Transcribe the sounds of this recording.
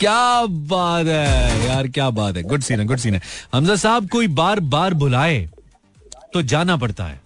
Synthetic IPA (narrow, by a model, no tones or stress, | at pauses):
kjaːbaːt̪ɦɛːjaːɾkjaːbaːt̪ɦɛɡʊɖsiːnẽɡʊɖs̬iːnɛ̃ɦɐmzasaːb̚koːibaːɾbaːɾbʊlaːe | t̪od͡ʒaːnap̬ɐɽt̪a̰ɦɛ̰ː